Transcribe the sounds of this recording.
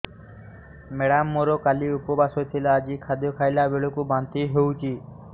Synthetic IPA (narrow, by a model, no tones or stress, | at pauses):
meɽamːoɾokaliupɔbasot̪ʰilaːd͡ʒikʰad̪jɔkʰajlabeɭokubant̪iɦeut͡ʃʰi